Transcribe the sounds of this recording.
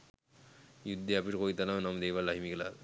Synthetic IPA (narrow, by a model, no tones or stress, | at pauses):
jud̪ʱːeapiːʈkoit̪alawnamd̪eʋalaɦimikla̰ɾ